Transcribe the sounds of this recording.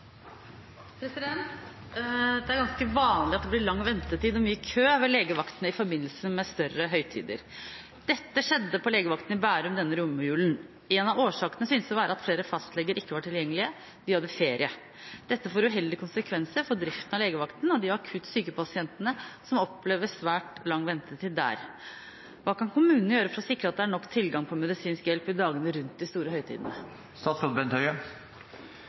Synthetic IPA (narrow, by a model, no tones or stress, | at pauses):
pʰɾɛsɪd̪ɛnt̪ | d̪ɛæɾɡɑnskəʋɑːnlɪɑt̪̚d̪ɛblɪɭɑŋːʋɛnt̪ət̪iːd̪ɔmyːəkʰøːʋɛleːɡəʋɑkt̪ənəɪfɔɾbɪnːəl̩səmɛst̪œɾəɦœʏt̪ʰḭːd̪ə̰ɾ | d̪̥ɛt̪ːəʂɛd̪ːəpʰɔleːɡəʋɑkt̪n̩ɪbæːɾʉmd̪ɛnːəɾʊmːjʉːln | ɛnɑoːʂɑːkənəsʏynsd̪ɛʋɑːɾəɑt̪fleːɾəfɑst̪lɛɡəɾɪkːəʋɑʈʰɪljɛŋːəlɪə | d̪̥ɪhɑd̪ːəfeːɾɪə | d̪̥ɛt̪ːəfoːɾʉɦɛld̪ɪkʰʊnsəkʰʋɛnsəɾfɔd̪ɾɪft̪ən̩ɑʋleːɡəʋɑkt̪nɔd̪ɪɑkʰʉt̪ːsyːkəpɑsɪɛnt̪ənəsɔmɔpːleːʋəsʋæːʈlɑŋːʋɛnt̪ət̪ʰɪd̪d̪æ̰ːɾ | ʋɑːkɑnkʊmʉːnnəjøːɾəfɔɾɔsɪkɾəɑt̪̚d̪ɛæɳɔkːt̪ʰɪlɡɑŋpʰɔmɛd̪ɪsiːnskjɛlpɪd̪ɑːɡənəɾʉnt̪̚d̪ɪst̪uːɾəhœʏt̪ʰḭːd̪ənə | st̪ɑːt̪sɔt̪bɛnt̪œʏə